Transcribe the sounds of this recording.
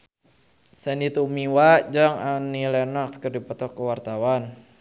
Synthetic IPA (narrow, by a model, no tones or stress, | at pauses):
sɛnit̪umiwaʔd͡ʒaŋanilɛnakskərdipɔt̪ɔkːəwart̪awan